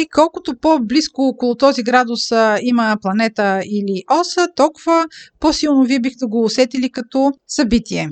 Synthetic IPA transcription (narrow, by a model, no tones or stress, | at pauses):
ikɔlˠkʊt̪opobliskoɔkolˠʊt̪ɔziɡɾad̪ʊsiməplˠɐnɛt̪əiliʔɔsət̪ɔlˠkʊvəpɔsilˠnoviɛbixt̪ɛɡoːsɛt̪ilikɐt̪ɔsɐbit̪iɛ